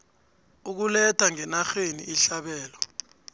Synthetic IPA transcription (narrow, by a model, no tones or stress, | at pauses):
uk̬ulɛtʰaŋɛnaxenḭʔːɬaɓɛːlɔ